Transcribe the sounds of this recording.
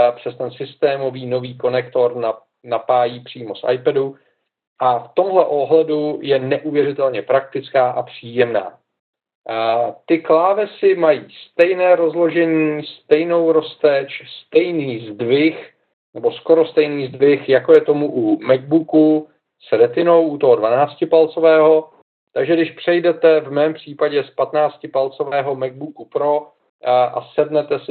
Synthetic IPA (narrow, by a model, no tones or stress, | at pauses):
pr̝̥ɛst̪ɛnsɪst̪ɛːmo̞viːno̞viːko̞nɛkt̪o̞ɾna | napaːjiːpr̝̥iːmo̞sʔa̰jpɛdu | ʔaft̪o̞mɦlɛʔo̞ɦlɛdujɛnɛʔuvjɛrɪt̪ɛlɲɛpɾak̚t̪ɪt͡skaːʔapr̝̥iːjɛmna̰ː | t̪ɪklaːvɛsɪmajiːst̪ɛjnɛːɾo̞zlo̞ʒɛɲiːst̪ɛjno̞wɾo̞st̪ɛt͡ʃst̪ɛjniːzdvɪx | nɛbosko̞ɾo̞st̪ɛjniːzdvɪxjako̞jɛt̪o̞muʔumɛɡ̚buku | sɾɛt̪ɪno̞wʔut̪o̞ɦodvanaːt͡scɪpalt͡so̞vɛːɦo̞ | t̪aɡʒɛdɪʃpr̝̥ɛjdɛt̪ɛvmɛːmpr̝̥iːpaɟɛspat̪naːt͡scɪpalt͡so̞vɛːɦo̞mɛɡ̚bukupɾo̞ | ʔa̰sɛdnɛt̪ɛs